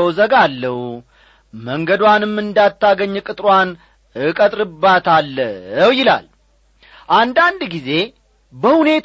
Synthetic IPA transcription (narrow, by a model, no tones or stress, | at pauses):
əwzəɡalːəhu | məŋɡəd̪wanɨmːɨnd̪at̪ʰːaɡəɲːkʼɨt̪ʼɾwan | ɨkʼət̪ʼɾɨbːat̪ʰalːəəwjɪla̰l | ʔand̪and̪ɡize̞ | bəhune̞t̪ʰ